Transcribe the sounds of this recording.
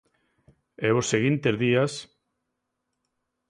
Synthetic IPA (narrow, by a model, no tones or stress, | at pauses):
ɛβosːeɣint̪ezðias